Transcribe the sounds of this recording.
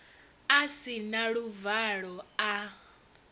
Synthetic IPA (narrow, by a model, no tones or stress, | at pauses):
asinaɺuvaɺɔa